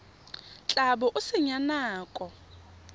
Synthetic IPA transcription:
t͡ɬʼaɓɔʔʊsɪɲanaːkʼɔ

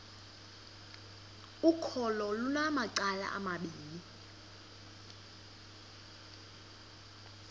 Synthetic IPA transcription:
ukʰɔlɔlunamaǀala̰ʔa̰maɓiːli

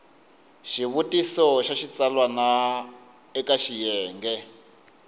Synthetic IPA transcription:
ʃiβutisɔʃaʃit͡salwana | ɛkaʃijɛːŋɡɛ

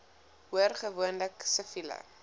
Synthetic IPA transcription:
huərχəvuənləksəfilə̰

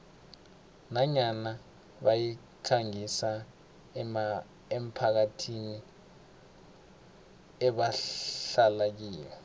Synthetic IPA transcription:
naɲana | ɓaji | kʰaŋisa | em̩pʰak̬atʰini | ɛɓaɬalak̬iːjɔ

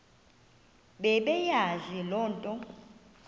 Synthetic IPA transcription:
ɓɛɓɛjazilɔːntʼɔ

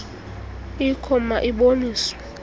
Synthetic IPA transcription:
ikʰɔmaʔiɓomiːswɛ

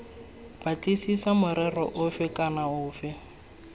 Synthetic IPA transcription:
b̥at͡ɬʼisisamʊɾɛrɔ̰ʔʊfɪkʼanaʊːfɪ

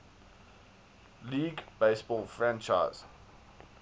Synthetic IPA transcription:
liːɡbeɪsbɔlfɹãnt͡ʃa̰ɪz̥

